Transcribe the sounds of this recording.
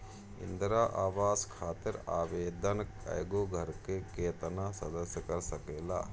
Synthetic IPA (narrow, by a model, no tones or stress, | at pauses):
ḭnd̪ɾaːʔaːʋaːskʰaːt̪iɾa̰ːʋeːd̪ɐnɐ̰jɡoɡʱɐɾkekeːt̪ɐnaːsɐd̪ɐsjɐkɐɾsɐkela̰ː